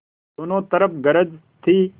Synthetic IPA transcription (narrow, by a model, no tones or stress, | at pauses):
unõːt̪ɐɾɐfɡɐɾɐd͡ʑ | t̪ʰiː